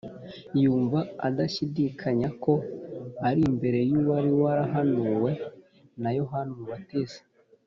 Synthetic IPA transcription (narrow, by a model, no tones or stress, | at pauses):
juːɱvaadaʃidikʰaɲako̞aɾimbe̞ɾe̞juːβaɾiwaɾaɦanuwe̞ | najo̞ɦanuuwatese̥